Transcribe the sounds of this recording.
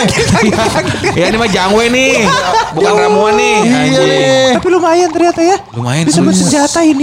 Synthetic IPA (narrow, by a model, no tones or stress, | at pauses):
ɡt̪aɡt̪kaɡɪt̪̚kajanimad͡ʒaŋwɛnɪhbubkanɾamuanːɪ | apilumajant̪ərɲat̪ajaluma̰jabisabənsəɲd͡ʒat̪aini